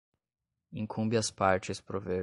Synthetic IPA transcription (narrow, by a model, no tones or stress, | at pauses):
ĩŋkʰũmbɪɐspaɾt͡ʃɪspɾove